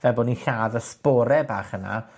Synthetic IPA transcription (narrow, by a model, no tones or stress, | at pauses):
vɛboniɬaːðəspɔːɾɛba̰ːχəna̰